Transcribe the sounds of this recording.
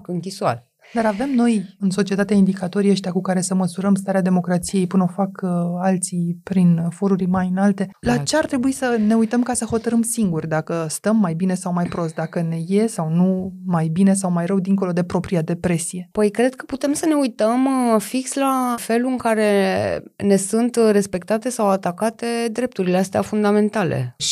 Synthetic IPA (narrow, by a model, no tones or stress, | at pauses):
kɨŋkʲisua̰l | d̪aɾave̞mno̞jɨnso̞t͡ʃie̞t̪at̪eaind̪ikat̪o̞ɾiəʃt̪eakukaɾe̞səməsuɾəmst̪aɾead̪emo̞kɾat̪sije̞jpunofakalt̪sipɾinfo̞ɾuɾʲmajɨnalt̪e̞lat͡ʃe̞art̪ɾe̞buisəne̞ujt̪əmkasəho̞t̪əɾɨmsiŋɡurʲd̪akəst̪əmːajbine̞sawmajpɾo̞st̪̚d̪akəne̞je̞sawnumajbine̞sawmajɾəwd̪iŋko̞lo̞d̪e̞pɾo̞pɾiad̪e̞pɾe̞sije̞pəjkɾe̞d̪̚kə̥put̪e̞msəne̞ujt̪əmfikslafe̞luɨŋkaɾe̞ | ne̞sunt̪re̞spe̞k̚t̪at̪e̞sawat̪akat̪e̞d̪ɾe̞p̚t̪uɾileast̪ea̰fund̪ame̞nt̪alḛ